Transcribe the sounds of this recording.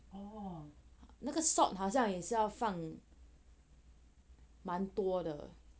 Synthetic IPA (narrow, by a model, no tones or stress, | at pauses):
ɔ | naɡəsɔtɦɑʊɕ̬jɑŋjɛʂɻ̩jɑʊfaŋ | mant̪wɔd̪ə̰